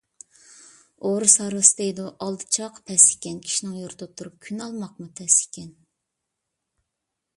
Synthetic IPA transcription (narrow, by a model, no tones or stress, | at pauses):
oɾusɑɾwɨsɨd̪ejd̪uʔɑlˠd̪ɨ̥t͡ʃʰɑqpʰɛsikʲɛnkʲʰi̥ʃinɪŋjuɾt̪̚ʰt̪ʰːuɾup̚kʲʰynɑlˠmɑq̚mupʰɛsi̥kʲɛn